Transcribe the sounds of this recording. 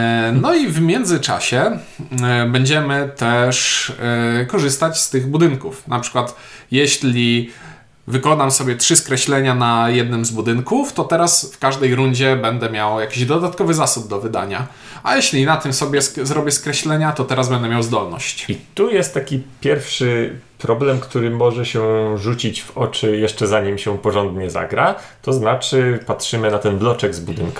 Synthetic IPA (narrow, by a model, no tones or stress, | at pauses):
nɔivmʲjɛnd̪zɘt͡ʂa̰ɕɛ | bɛɲd͡ʑɛmɘt̪ɛʂ | kɔʐɘst̪at͡ɕst̪ɘɣbud̪ɘŋkufnapʂɘ̥kwat̪ | jɛɕlʲi | vɘkɔnamsɔbʲjɛtʂɘskɾɛɕlɛɲanajɛd̪̚nɘmzbud̪ɘnkuft̪ɔt̪ɛɾasfkaʐd̪ɛjɾuɲd͡ʑɛbɛnd̪ɛmʲjawjakʲiʑd̪ɔd̪at̪kɔvɘzasub̚d̪ɔvɘd̪a̰ɲa̰ | a̰jɛɕlʲinat̪ɘmsɔbʲjɛszɾɔbʲjɛskɾɛɕlɛɲat̪ɔt̪ɛɾazbɛnd̪ɛmʲjawzd̪ɔlnɔ̰ɕt͡ɕit̪ujɛst̪ːakʲipʲjɛɾfʂɘpɾɔblɛmkt̪uɾɘmɔʐɛɕɛʐut͡ɕit͡ɕvɔt͡ʂɘjɛʂt͡ʂɛzaɲimɕɛpɔʐɔnd̪ɲɛza̰ɡɾa | t̪ɔznat͡ʂɘpatʂɘmɘnat̪ɛnblɔt͡ʂɛɡzbud̪ɘnkḁ